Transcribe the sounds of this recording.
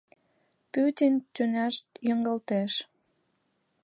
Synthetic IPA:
pyt̪ʲinʲt̪ynæʃt̪jəŋɡəlt̪eʃ

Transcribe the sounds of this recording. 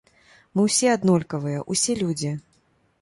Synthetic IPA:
mɨwsʲɛad̪nɔlʲkɐvɨjɐʔusʲɛlʲud͡zʲi

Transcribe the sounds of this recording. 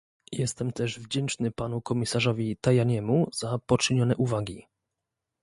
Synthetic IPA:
jɛst̪ɛmt̪ɛʐvd͡ʑɛnt͡ʂnɘpanukɔmʲisaʐɔvʲit̪ajaɲɛmuz̥apɔt͡ʂɘɲɔn̪ɛʔuvaɡʲi

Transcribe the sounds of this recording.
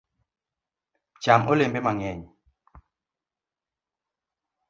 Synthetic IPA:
t͡ʃamʔolembemaŋɛɲ

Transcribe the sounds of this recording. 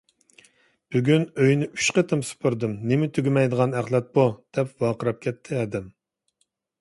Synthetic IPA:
b̥yɡʲynøjnɪy̥ʃqət̪ʰɨmsɨ̥pʰuɾd̪ɨmnɪmɪt̪ʰyɡʲimɛjd̪əʁɑnæχlˠɛt̪̚bud̪̥ɛpwɑqəɾɑp̚kʲʰɛt̪ʰːɪɛd̪ɪm

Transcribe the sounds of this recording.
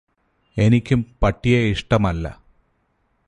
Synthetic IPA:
e̞nikʲːumpɐʈːijeiʂʈɐmɐlːɐ̰

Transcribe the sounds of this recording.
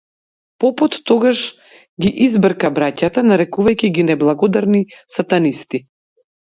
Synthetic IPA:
pɔput̪ːɔɡaʃ | ɡʲiʔizbr̩kabɾacat̪anaɾɛkuvajkʲiɡinɛblˠaɡɔd̪aɾnisat̪anist̪i

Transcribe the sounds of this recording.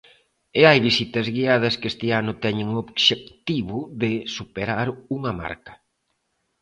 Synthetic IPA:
ɪajβisit̪ɐzɣiað̞ɐskest̪ɪanʊt̪ɛɲɪŋoβʃek̚t̪iβʊðɪsupeɾaɾuŋɐma̰ɾkɐ̥

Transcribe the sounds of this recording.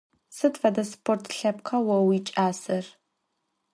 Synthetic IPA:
sɨdfɐdɐspʰortʰɬɐpqʰɐwɐwiːt͡ʃʼaːsɐr

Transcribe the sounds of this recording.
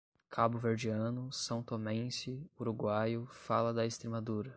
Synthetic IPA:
kʰabʊveɾd͡ʒiɐ̃nʊsɐ̃w̃t̪omẽsɪuɾuɡwajʊfalɐd̪ɐest̪ɾemad̪uɾɐ

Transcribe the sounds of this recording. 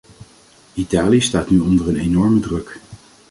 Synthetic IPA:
itaːliəstaːtnyɔndərənenɔɹmədrɵk

